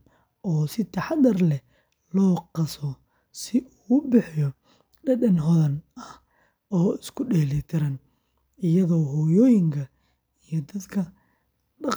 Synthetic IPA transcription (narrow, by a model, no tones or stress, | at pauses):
ʔɔːsɪt̪ʰɐħɑd̪ɐrlɛ | lɔːqɑsɔ | sɪʔuːʊbɪħjɔ | ɖɐdɐnɦɔðɐnɐh | ʔɔːɪskʰʊɖɛːlɛt̪ʰɪɾɐn | ɪjɐðɔːɦɔːjɔːjɪŋkʰɐ | ijɔd̪ɐd̪kʰɐ | ɖɑq